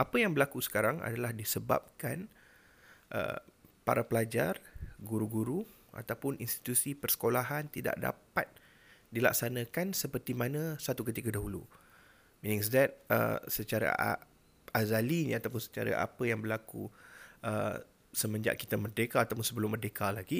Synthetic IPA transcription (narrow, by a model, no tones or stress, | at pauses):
ʔapəjaŋbəlakusə̥kaɾaŋa̰dalahdisəba̰p̚kan | ʔə̰pa̰ɾapəlad͡ʒarɡuɾuɡuɾu | ʔa̰t̪awpʊninst̪i̥t̪usipərsə̥kolaɦant̪ida̰ʔda̰pat̪̚ | dila̰k̚sanə̃kansəpərt̪imanə̃sat̪ukət̪ikadaɦulu | minɪ̃ŋs̬dɛt̪̚ə̰sət͡ʃaɾa̰ | azaliɲat̪awpʊnsə̥t͡ʃaɾa̰ʔa̰pəjaŋbəlakṵʔə | səmə̃ɲd͡ʒa̰ʔ̚kit̪amərdekaːt̪awpʊnsəbəlʊmːərdekalaɡi